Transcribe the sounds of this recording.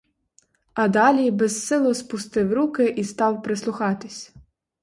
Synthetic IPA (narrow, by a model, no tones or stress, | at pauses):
ɐd̪ɑlʲibɛzːɪlˠɔspʊst̪ɪwɾukɪʔist̪ɑwpɾɪslˠʊxɑt̪ɪsʲ